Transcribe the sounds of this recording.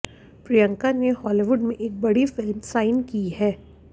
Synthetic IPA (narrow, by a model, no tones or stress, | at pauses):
pɾijə̃ŋkanehɔːliʋʊɖmẽʔeːk̚bɐɽifɪlmsaːɪnkiɦɛː